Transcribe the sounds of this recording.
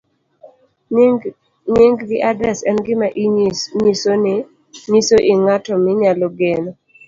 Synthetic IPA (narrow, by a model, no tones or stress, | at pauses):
ɲɪŋɡɡɪʔadɾɛsɛnɡɪmaʔiɲisonɪ | ɲisoʔɪŋatɔmɪɲaloɡenɔ